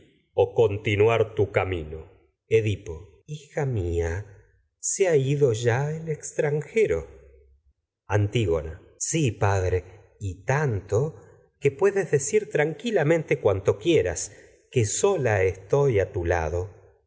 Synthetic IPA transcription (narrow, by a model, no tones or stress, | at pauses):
oko̞nt̪inwaɾt̪ukamino | eðipo̞ | ixamia | seaiðo̞ʒaelekst̪ɾaŋxe̞ɾo̰ | ant̪iɣo̰na | sipaðɾe | it̪ant̪o̞ | ke̞pwe̞ðezðe̞siɾt̪ɾaŋkilamẽ̞nt̪e̞kwant̪o̞kjeɾa̰s | keso̞laest̪o̞jat̪ula̰ðo̞